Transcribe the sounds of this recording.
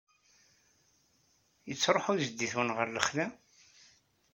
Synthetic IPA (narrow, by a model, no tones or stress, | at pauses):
jət͡sːɾˤoħujzd̪ːiθwənʁəɾləχlæ